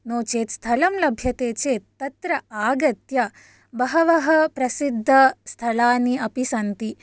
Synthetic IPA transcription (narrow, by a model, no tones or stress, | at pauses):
noːt͡ʃeːt̪st̪ʰɐlɐmlɐbʱjɐt̪eːt͡ʃeːt̪ːɐt̪ɾɐaːɡɐt̪jɐ | bɐɦɐʋɐɦɐpɾɐsid̪ʱːɐst̪ʰɐlaːniɐpisɐnt̪i